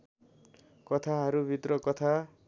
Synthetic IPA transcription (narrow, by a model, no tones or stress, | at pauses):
kʌt̪ʰaɦʌɾubʱit̪rʌkʌt̪ʰa